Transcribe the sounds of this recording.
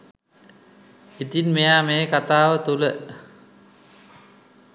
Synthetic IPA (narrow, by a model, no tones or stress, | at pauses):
it̪inmejaːmeːkat̪aːʋət̪ulə